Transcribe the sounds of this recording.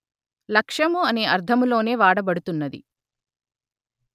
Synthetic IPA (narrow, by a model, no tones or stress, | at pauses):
lɐkʂɐmuɐne̞ːʔɐɾd̪ʱɐmulo̞ːne̞ːʋaːɽɐbɐɽut̪unːɐd̪ḭ